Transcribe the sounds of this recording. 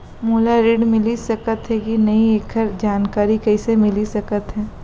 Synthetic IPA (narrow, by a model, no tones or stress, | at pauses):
moːlaɾeːɖmɪlisɐkət̪ɦɛkinɐieːkʰəɾd͡ʒaːnkaːɾikɛːsemɪlisɐkət̪ɦɛː